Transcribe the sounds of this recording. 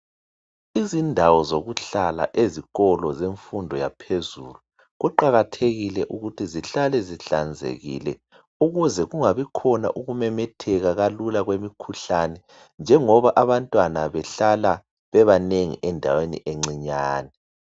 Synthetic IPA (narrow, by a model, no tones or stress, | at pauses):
izindʱawɔzoɣuɬala̰ʔeziɣɔlɔzeɱfundʱɔja̰pʰezuːlu | ɣuǃaɣatʰeɣilɛʔuɣutʰiziɬalɛziɬand͡zʱḛɣḭlɛ̰ | uɣuzɛɣuŋaβikʰɔna̰ʔuɣumɛmɛtʰɛɣaɣalulaɣwemikʰuɬanɛ | nd͡ʒʱɛŋɔβaʔaβantʼwanaβɛɬala | βɛβaneŋḭʔɛndʱa̰wenḭʔeŋ͡ǀiɲaːnɛ